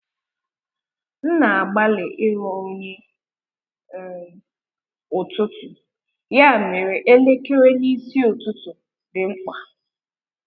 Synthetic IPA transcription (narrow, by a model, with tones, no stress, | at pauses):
n̩˦na˨a˨ɡ͡ba˦lɪ˨ʔɪ˦ɾɔ˨o˦ɲe˦ | ʊ˨tʊ˦tʊ˨ | ja˦˨me˨ɾe˨ʔe˦le˦ke˦ɾe˦ni˦si˦o˨tʊ˦tʊ˨ | dɪ˨ŋ͡m̩˦k͡pa˨